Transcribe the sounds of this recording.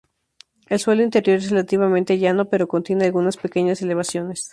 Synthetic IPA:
e̞lswe̞loint̪e̞ɾjo̞ɾesrelat̪iβamẽnt̪e̞ʝano̞pe̞ɾo̞ko̞nt̪je̞ne̞alɣunaspe̞ke̞ɲase̞le̞β̞asjo̞ne̞s

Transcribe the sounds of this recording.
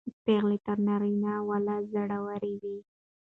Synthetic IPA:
peɣlet̪əɾnaɾinawalazaɽawaɾiwi

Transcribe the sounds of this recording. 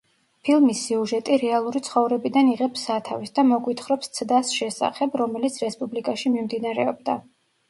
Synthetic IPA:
pʰilˠmisːiuʒɛt̪ʼiɾɛalˠuɾit̪sʰχɔvɾɛbid̪aniʁɛpsat̪ʰavisd̪amɔɡwit̪ʰχɾɔpst̪sʰd̪asʃɛsa̰χɛbɾɔmɛlit̪sʰɾɛspʼublikʼaʃimimd̪inaɾɛ̰ɔbd̪a

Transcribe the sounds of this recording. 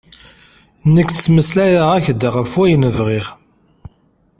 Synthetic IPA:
nəkːt͡sːməslæɾaʁæçd̪aʁəfwæjənəvʁiʁ

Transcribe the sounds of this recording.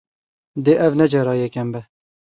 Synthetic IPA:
d̪eːʔɛvnɛd͡ʒɛɾɑːjɛkɛmbɛ

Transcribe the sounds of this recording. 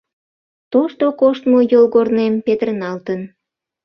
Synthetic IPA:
t̪oʃt̪okoʃt̪mojolɣornempet̪ərnɑlt̪ən

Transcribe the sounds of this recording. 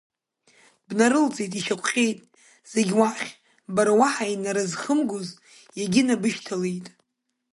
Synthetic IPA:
b̥naɾɨlt͡sʼejtʼiʃakʷʼqʲʼe̞jtʼ | z̥e̞ɡʲwaχʲ | baɾawaħajnaɾazχəmɡoz | jaɡʲɪnabɨʃtʰalejtʼ

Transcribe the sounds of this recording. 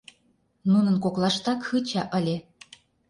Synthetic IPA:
nunə̆nkoklˠɑʃt̪ɑkxɯt͡ɕɑʔə̆lʲe

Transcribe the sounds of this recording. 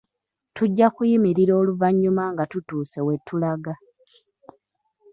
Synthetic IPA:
tuɟːakujimiɾiɾo̞ːluvaɲːumaŋɡatutuːse̞we̞tʰːulaɡa

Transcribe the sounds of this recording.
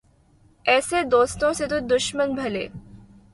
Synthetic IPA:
ɛːsed̪oːst̪õset̪̬od̪ʊʃmənbʱɐlḛː

